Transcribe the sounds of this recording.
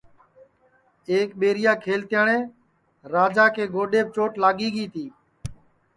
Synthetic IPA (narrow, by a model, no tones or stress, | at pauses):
eːkɓeːɾɪjaːkʰeːlt̪ɪjaːɳeː | ɾaːd͡ʒaːkeːɡoːɗeːb̚t͡ʃoːʈlaːɠiːɠiːt̪ʰiː